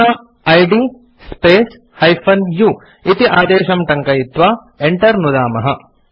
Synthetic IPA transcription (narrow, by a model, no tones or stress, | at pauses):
ɐ | ɐjɖi | speːs | hɐjpʰɐnjuː | it̪iʔaːd̪eːʃɐmʈɐŋkɐjit̪ʋaː | eɳʈɐɾnud̪aːmɐɦɐ